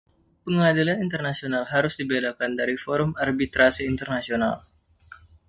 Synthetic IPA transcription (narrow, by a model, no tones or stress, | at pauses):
pəŋadilanint̪ərnasionalɦaɾʊsdibelakandaɾifɔɾʊmarbit̪ɾasiːnt̪ərnasional